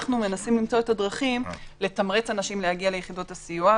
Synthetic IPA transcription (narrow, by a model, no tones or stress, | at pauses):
χnume̞nasimlimt͡so̞e̞tadʁaχimle̞t̪amʁet͡sanaʃimlehaɡiale̞jeχido̞thasijua